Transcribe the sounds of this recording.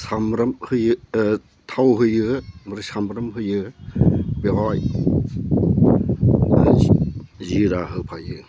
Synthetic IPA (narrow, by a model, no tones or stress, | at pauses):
samɾɐmhɯjɯ | t̪ʰawɦɯjɯmɾɯsamɾɯmɦɯjɯ | beɔj | ziɾaɦɯpʰajɯ